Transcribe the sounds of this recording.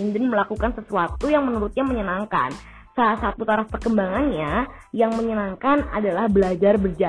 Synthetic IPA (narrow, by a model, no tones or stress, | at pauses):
indənməlakukansəsuat̪ujaŋmənuɾut̪̚ɲaməɲənaŋka̰n | salasaːt̪̚put̪aɾafpərkəmbaŋanɲa | jaŋməɲənaŋkana̰dalahbəlad͡ʒarbərd͡ʒa